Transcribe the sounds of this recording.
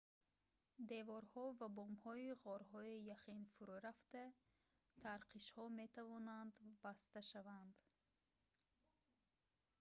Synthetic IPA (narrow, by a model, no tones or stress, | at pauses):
d̪evɔɾhɔvabɔmhɔiʁɔɾɦɔijaχinfuɾuɾaft̪a | t̪ʰaɾqʰiʃhɔme̞t̪ʰavɔnand̪bast̪aʃavand̪